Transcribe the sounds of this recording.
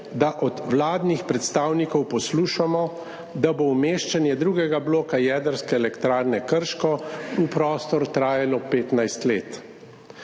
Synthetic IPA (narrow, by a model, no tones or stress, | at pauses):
d̪aʔɔd̪wlaːd̪nixpɾɛt̪st̪aːwnikɔwpɔsluːʃamɔ | d̪aboumeːʃt͡ʃanjɛd̪ɾuːɡɛɡabloːkajɛd̪əɾskɛːlɛkt̪ɾaːɾnɛkəɾʃkɔupɾɔːst̪ɔɾt̪ɾaːjalɔpeːt̪najst̪leːt̪